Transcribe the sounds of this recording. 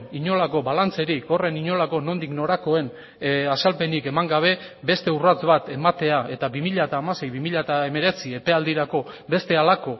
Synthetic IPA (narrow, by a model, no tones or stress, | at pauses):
iɲo̞lako̞βalant͡se̞ɾiko̞re̞niɲo̞lako̞no̞nd̪ikno̞ɾako̞e̞n | asalpe̞nike̞maŋɡaβ̞e̞ | be̞st̪e̞urat͡sβat̪e̞mat̪e̞ae̞t̪aβimiʎaet̪aːmase̞jβimiʎaet̪ae̞me̞ɾe̞t͡sie̞pe̞ald̪iɾako̞ | be̞st̪e̞alako̞